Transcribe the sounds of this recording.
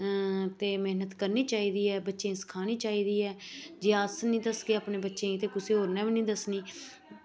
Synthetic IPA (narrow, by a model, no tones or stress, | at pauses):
t̪eːmeːnət̪kəɾniːt͡ʃaːiːd̪iːɛːbətːʃẽːsə̥kʰaːniːt͡ʃaːiːd̪iːɛːd͡ʒeːasnĩːd̪əsɡeːaːpnẽːbətːʃẽːĩt̪eːkʊseːɦoːɾnɛ̃ːʋiːnĩːd̪əsniː